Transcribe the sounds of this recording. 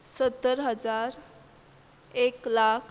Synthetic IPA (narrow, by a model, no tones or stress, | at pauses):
sət̪ːəɾɦəd͡zaɾ | eklakʰ